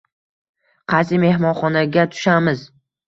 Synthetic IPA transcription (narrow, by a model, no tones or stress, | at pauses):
qʰɑsɪme̞ɦmɒnχɒnaɡʲat̪ʰʊ̥ʃamɪz